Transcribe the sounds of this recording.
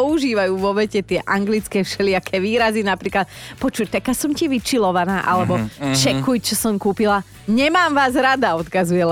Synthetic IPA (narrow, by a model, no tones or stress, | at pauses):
ɔuʒiːʋajuːʋɔʋɛcɛt̪ɪɛʔaŋɡlit͡skɛːfʃɛlɪakʰɛʋiːɾazinapɾiːklat̪̚pɔt͡ʃuct̪akːasɔmciʋit͡ʃilɔʋanaːʔa̰lɛbɔt͡ʃɛkujt͡ʃɔsɔmkuːpila | ɲɛmaːmʋaːzɾad̪aɔt̪kazujɛl